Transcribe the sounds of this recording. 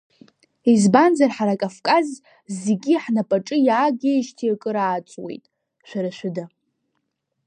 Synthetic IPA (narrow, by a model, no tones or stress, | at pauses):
izband͡zarħaɾakʼafkʼaz | zeɡʲiħnapʼaʈ͡ʂʼɨjaːɡʲaʃtʰiakʼɨɾaːt͡sʷʼwḛjtʼ | ʃʷᶣaɾaʃʷᶣɪda